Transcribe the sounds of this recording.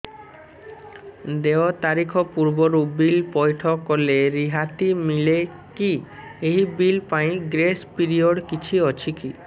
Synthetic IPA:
d̪eɔt̪aɾikʰɔpuɾbɔɾubilpɔjʈʰɔkɔleɾiɦat̪imile | ki | eɦibilpaĩɡɾespiɾiɔɽkit͡ʃʰiɔt͡ʃʰiki

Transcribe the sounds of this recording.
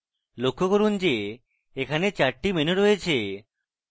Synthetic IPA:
lokʰːokoɾund͡ʑe | ekʰanet͡ɕaɾʈimenoɾojet͡ɕʰe

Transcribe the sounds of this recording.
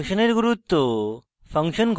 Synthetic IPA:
ɕəneɾɡuɾut̪ːo | fəŋkɕənɡʱ

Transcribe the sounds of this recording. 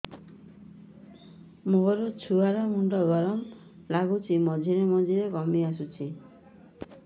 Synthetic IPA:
moɦɔɾɔt͡ʃʰuaɾamuɳɖɔɡɔɾɔmlaɡut͡ʃʰimɔd͡ʒʱiɾemɔd͡ʒʱiɾekɔmias̬ut͡ʃʰi

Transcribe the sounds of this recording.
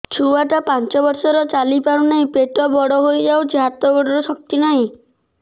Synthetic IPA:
t͡ʃʰuaʈapant͡ʃɔbɔɾsɔɾɔt͡ʃalipaɽ̃unaĩpeʈɔbɔɽɔɦojd͡ʒawd͡ʒiɦat̪ɔɡɔɽɔɾusɔk̚t̪inaɦĩ

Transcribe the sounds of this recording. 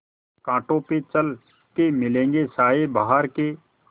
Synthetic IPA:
kãːʈõːpet͡ʃəl | kemɪlẽːŋɡesaːebaɦaɾkeː

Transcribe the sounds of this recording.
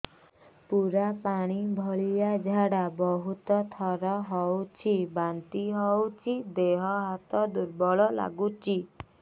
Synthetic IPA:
puɾapaɽ̃ibʱɔɭijad͡ʒʱaɽabɔɦut̪ɔt̪ʰɔɾɔɦɔwt͡ʃʰibant̪iɦɔwt͡ʃʰid̪eɦɔɦat̪ɔd̪uɾbɔɭɔla̰ɡut͡ʃʰi

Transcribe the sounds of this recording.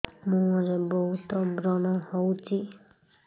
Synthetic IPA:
mũɔɾebɔɦut̪ɔbɾɔnɔhɔwt͡ʃʰi

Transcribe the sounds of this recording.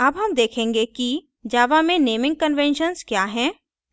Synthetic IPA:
ɐbɦɐmd̪eːkʰẽːŋɡeki | d͡ʒaːʋamẽneːmɪ̃ŋɡ̚kənʋɛ̃ːnʃənzkjaːɦɛ̃ː

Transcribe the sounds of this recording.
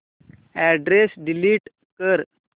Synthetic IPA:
ɛɖɾesɖiliʈ | kəɾ

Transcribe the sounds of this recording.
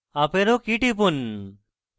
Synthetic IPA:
apeɾokiʈipun

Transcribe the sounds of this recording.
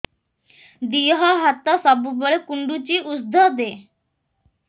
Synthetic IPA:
d̪ijɦɔɦat̪ːɔsɔbubɔɭekuɳɖut͡ɕiʔusd̪ʱɔd̪e

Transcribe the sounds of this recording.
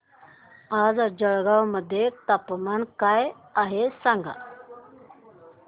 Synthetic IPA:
ad͡zd͡ʑəɭɡawməd̪ʱːjet̪apmankaj | aɦesaŋɡa̰

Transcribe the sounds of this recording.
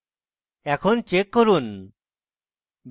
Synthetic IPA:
ɛkʰɔnt͡ʃekːɔɾun | b

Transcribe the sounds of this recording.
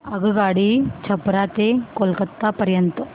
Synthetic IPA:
ɐɡuɡaːɽit͡ʃʰɐbɾaːt̪ekolkɐt̪ːapɐɾjɐnt̪ɐ

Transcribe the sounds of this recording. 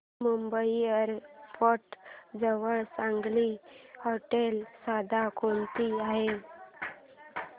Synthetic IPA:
mumbəiəɾfɔʈd͡zəʋəɭsãŋɡlihoʈelsad̪ʱakʰont̪iaɦe

